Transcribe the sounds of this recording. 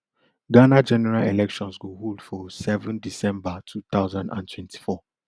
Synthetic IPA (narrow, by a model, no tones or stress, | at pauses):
ɡanad͡ʒɛnɛɹalelɛkʃɔ̃nsɡoholdfɔsɛvə̃ndisɛ̃mbatʰut̪aʊzãndã̰ntʰwɛ̃ntʰi̥fɔ